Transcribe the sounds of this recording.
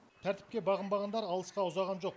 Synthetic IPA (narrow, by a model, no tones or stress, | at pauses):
t̪ʰæɾt̪ɪ̥p̚kʲebɑʁəmbɑʁɑnd̪ɑɾɑlˠəsqɑʊzɑʁɑnʒo̞q